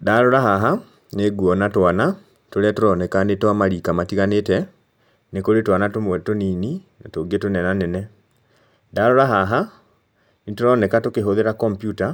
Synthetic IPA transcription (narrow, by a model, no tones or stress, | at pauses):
daɾoɾaɦaɦa | neɡuɔnatwana | toɾɛatoɾɔnɛkanetwamaɾikamatiɣanetɛ | nekoɾetwanatomwɛtoniːninatoɡietonɛnanɛnɛ | daɾoɾaɦaɦa | nitoɾɔnɛkatokeɦoðeɾakɔmpjuta